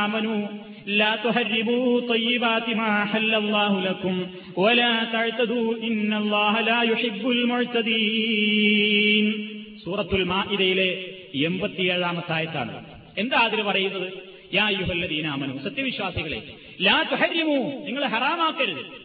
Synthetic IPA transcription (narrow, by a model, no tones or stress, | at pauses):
aːmɐnuː | laːt̪uħɐrːibuːt̪ˤɑjːɪbaːt̪imaːħalːɐlˤːɑːɦulɐkum | wɐlaːt̪ɐʕt̪ɐd̪uːinːɐlˤːɑːɦɐlaːjuħɪbːulmʊʕt̪ɐd̪iː | nsuːrɐt̪ːulmaːʔiðɐjile̞ | embɐt̪ːijeːɻaːmɐt̪ːaːjɐt̪ːa̰ːɳɨ̰ | e̞nd̪aaːd̪iɾɐpɐrɐjunːɐðɨ | jaːɐjːuɦɐlːɐd̪iːnaːmɐnṵːsɐt̪jɐʋiɕwaːsiɣɐɭe̞̰ | laːt̪uħɐrːimuːniŋːɐɭɦɐraːmaːkːɐɾuðɨ̰